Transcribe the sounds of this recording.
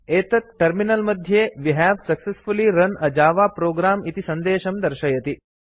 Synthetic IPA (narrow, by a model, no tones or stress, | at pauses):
eːt̪ɐt̪̚ʈəɾminəlmɐd̪ʱjeʋiɦɛʋsɐksesfuliɾɐnɐd͡ʒaːʋapɾoːɡɾaːmit̪isɐ̃nd̪eːʃɐmd̪ɐɾʃɐjɐt̪i